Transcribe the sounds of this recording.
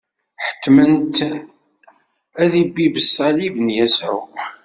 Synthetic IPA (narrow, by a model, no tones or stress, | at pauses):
ħə̥t̪ːmənt̪ | æðibːibəsˤːɑlivənjæsʕʊ